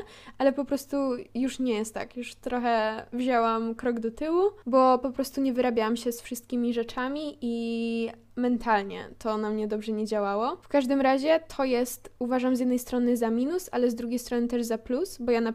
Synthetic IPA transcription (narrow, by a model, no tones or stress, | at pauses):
ʔalɛpɔpɾɔst̪ujuʂɲɛjɛst̪ːa̰kjuʂt̪ɾɔxɛvʑɔwamkɾɔɡd̪ɔt̪ɘwubɔpɔpɾɔst̪uɲɛvɘɾabʲjawamɕɛsfʂɨst̪̚kʲimʲiʐɛt͡ʂamʲiʔi | mɛnt̪ʰalɲɛ̰t̪ʰɔnamɲɛd̪ɔbʐɛɲɛd͡ʑawawɔfkaʐd̪ɘmɾaʑɛt̪ʰɔjɛst̪uvaʐamzjɛd̪nɛjst̪ɾɔnɘzamʲinusa̰lɛzd̪ɾuɡʲejst̪ɾɔnɘt̪ɛʐzaplusbɔjana